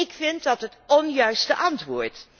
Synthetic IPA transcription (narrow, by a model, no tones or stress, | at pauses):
ɪkfɪntdɑtɦətɔnjœɥstəʔɑntʋʊːɹt